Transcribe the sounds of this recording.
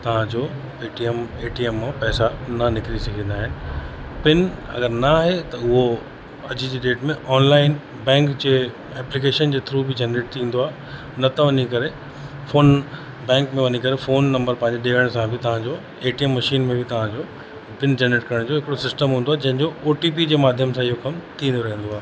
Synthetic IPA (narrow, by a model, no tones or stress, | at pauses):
t̪ɐʋ̤ãd͡ʑoː | eːʈiɛmeːʈiɛmːãpɛːsanɐnɪkɾisɐɡʱĩːnd̪aːɦɪnɪ̆pɪnɐ̰ɡəɾnɐaːɦet̪ɐʊɦo | ɐd͡ʑid͡ʑiːɗeːʈmẽʔɔːnlaːɪn | bɛ̃ːŋkd͡ʑeː | ɛːplik̬eːʃənd͡ʑeːt̪ʰɪɾuːbʱɪd͡ʑɛnɾeːʈ̚t̪ʰĩːn̆d̪oaːɦe | nɐt̪ʰɐʋɐɲikɐɾe | foːn | bɛ̃ːŋkmẽʋɐɲikɐɾefoːnːɐ̃mbəɾpɐ̃ɦɪ̃ɲd͡ʑeɗeːʋə̃ñsãbʱɪt̪ɐʋ̤ãɲd͡ʑoː | eːʈiəmːɐʃiːnmẽbʱɪt̪ɐʋ̤ãd͡ʑoː | pɪnd͡ʑɛneːʈkɐɾəɽ̃d͡ʑoːɦɪkɪɽosɪsʈəmɦũːnd̪oaːɦd͡ʑɐ̃ɦɪ̃ɲd͡ʑooːʈiːpid͡ʑeːmaːd̪ʱjəmsãɪɦokɐmt̪ʰĩːnd̪oɾɐɦĩːn̆d̪oaːɦe